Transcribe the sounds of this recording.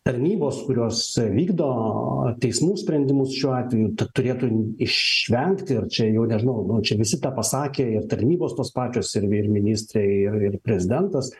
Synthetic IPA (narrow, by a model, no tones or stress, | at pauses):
t̪ɐɾʲnʲiːboːskʊɾʲoɔsʋʲiːɡd̪oːt̪ʲɛɪsmuːsʲpʲɾʲɛnʲd̪ʲɪmʊsʃʲuːɑːt̪ʲʋʲɛjuːt̪ɐtt̪ʊɾʲeːt̪uːɪʃʋʲɛŋkt̪ʲɪɐrt͡ʃʲɛjɛʊnʲɛʒʲɪnɐʊnʊt͡ʃʲɛʋʲɪsʲɪt̪ɑːpɐsɑːkʲeːɪrt̪ɐɾʲnʲiːboːst̪oːspɑːt͡ʃʲoːsɪrɪrmʲɪnʲiːsʲt̪ʲɾʲɛɪɪrɪrpʲɾʲɛzʲɪd̪ʲɛnt̪ɐs